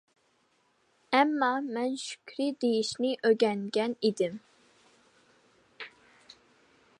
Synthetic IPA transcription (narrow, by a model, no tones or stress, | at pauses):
ɛmːɑmɛnʃy̥kʲʰɾid̪ejiʃnɪʔøɡʲɛŋɡʲɛnid̪ɪm